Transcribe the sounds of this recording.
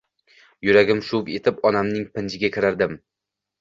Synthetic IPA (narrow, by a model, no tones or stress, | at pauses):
jʊɾaɡʲɪmʃʊvet̪ʰɪpɒnamnɪŋpɪnd͡ʒɪɡʲakʲʰɪɾaɾd̪ɪm